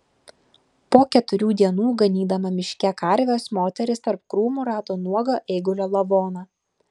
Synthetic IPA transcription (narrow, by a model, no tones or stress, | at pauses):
poːkʲɛt̪ʊɾʲuːd̪ʲiɛnuːɡɐnʲiːd̪ɐmɐmʲɪʃʲkʲɛkɐɾʲʋʲoːsmoːt̪ʲɛɾʲɪst̪ɐɾp̚kɾuːmuɾɑːt̪oːnuɔɡoʔɛɪɡʊlʲoːlˠɐʋoːnɑ